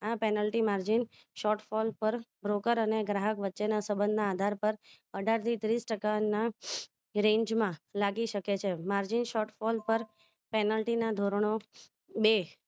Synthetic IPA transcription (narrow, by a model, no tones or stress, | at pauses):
apɛnəlʈimaɾd͡ʒin | ʃɔʈfɔlpəɾbɾokəɾəneɡɾaɦəkʋətːʃenasəbə̃nd̪ʱnaːd̪ʱaɾpəɾ | əɖʱaɾt̪ʰit̪ɾisʈəkana | ɾẽɲd͡ʒmãlaɡiʃəket͡ʃʰemaɾd͡ʒinʃɔʈfɔlpəɾ | pɛnəlʈinad̪ʱoɾɳ̃o | be